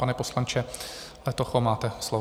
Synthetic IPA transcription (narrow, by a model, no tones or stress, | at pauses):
panɛposlant͡ʃɛlɛt̪oxomaːt̪ɛslo